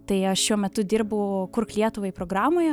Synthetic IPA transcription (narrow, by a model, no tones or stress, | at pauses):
t̪ɐɪɐʃʃʲuɔmʲɛt̪ʊd̪ʲɪrbʊkʊrklʲiɛt̪ʊʋɐɪpɾoːɡɾɑːmoːjɛ